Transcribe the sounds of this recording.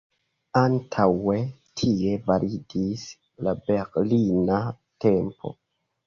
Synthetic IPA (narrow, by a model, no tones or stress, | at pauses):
antʰawe̞tʰie̞vaɾʔidis | labe̞ɾlina | te̞mpʰo̞̰